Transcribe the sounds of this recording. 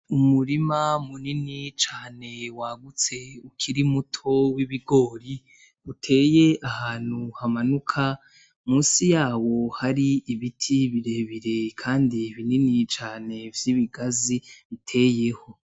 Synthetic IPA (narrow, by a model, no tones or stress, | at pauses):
umuɾimamuninit͡ʃaːne̞waːɡut͡se̞ukʰiɾimutʰo̞wiβiɡo̞ːɾi | utʰe̞ːje̞ʔahaːn̥huhamanukʰa | muːsijaːwo̞haɾiːβitʰiβiɾe̞βiɾe̞kʰaːndiβininit͡ʃaːne̞vjiβiɡaziβitʰe̞ːje̞ho̞